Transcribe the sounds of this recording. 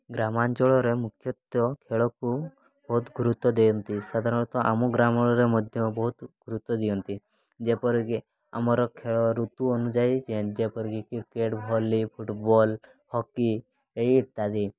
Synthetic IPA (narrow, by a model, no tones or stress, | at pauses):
ɡɾamand͡ʒɔɭɔɾemukʰjɔt̪ɔkʰeɭɔku | bɔɦt̪ɡʱuɾut̪ːɔd̪ejɔnt̪isad̪ʱaɾɔɽ̃t̪ɔʔa̰mɔɡɾamɔɽ̃ɔɾemɔd̪ʱjɔbɔɦut̪ɡʱuɾut̪ːɔd̪ijɔnt̪i | d͡ʒepɔɾki | a̰mɔɾɔkʰeɭɔɾut̪uɔnud͡ʒait͡ʃed͡ʒepɔɾkikiɾkeʈbʱɔlipʰuʈbɔl | hɔkːi | eiʈt̪ad̪i